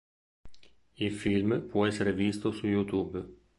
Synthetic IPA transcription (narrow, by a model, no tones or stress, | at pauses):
ilfilmpwɔɛsːeɾevist̪osujut̪uːb